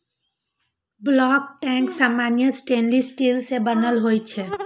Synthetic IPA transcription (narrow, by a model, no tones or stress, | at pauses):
blɔːk̚ʈɛ̃ksaːmaːnijəsʈẽːnlisʈiːlsebənəlɦojt͡ʃʰɛ